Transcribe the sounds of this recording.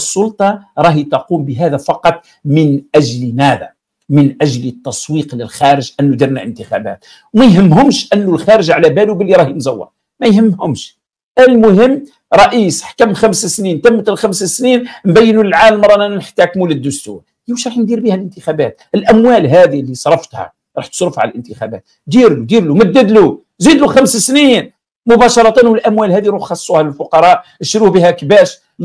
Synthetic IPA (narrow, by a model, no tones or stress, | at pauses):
əsˤːʊlt̪ˤɑɾˤɑhit̪ɑqumbəɦæd̪æfɑqɑt̪ˤ | mənʔæʒlmæd̪æ̰ | mənʔæʒlt̪ːɑsˤwiːqləlxæɾəʒʔənːud̪iɾnæʔə̰nt̪əxæ̰bæ̰t̪̚ | wmæjɦəmːɦʊmʃʔənːulxæɾəʒʕalæbælubəlːiɾˤɑhjnzæwːɑ̰ɾ | mæjhəmːhʊmʃ | ʔælmʊɦəmː | ɾˤɑʔiːsħkæmxæmssnint̪æmːət̪lxæmsæsninnbæjːnuləlʕaləlmɾˤɑnænænħt̪ːækmuləd̪ːʊst̪ṵɾ | jæwʃɾˤɑħnd̪iɾbihælʔənt̪əxæbæ̰t̪̚əlʔæmwælɦæd̪ilːisˤɾˤɑft̪hæ̰ | ɾˤɑħt̪sɾˤəfʕa̰ləlʔənt̪əxæ̰bæ̰t̪̚ | d̪iɾlud̪iɾlumæd̪ːəd̪lu | zid̪luxæmssnin | mʊbɑʃɑɾˤɑt̪ˤɑnwəlʔæmwælhæd̪iɾuħxɑsˤːuhæləlfʊqɑɾˤɑʔəʃɾuhbihækbæʃ